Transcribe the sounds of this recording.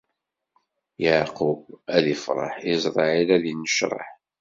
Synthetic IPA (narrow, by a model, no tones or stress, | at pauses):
jaʕqubæðifɾˤɑ̰ħizˤɾˤɑʕilæðinːəʃɾˤɑ̰ħ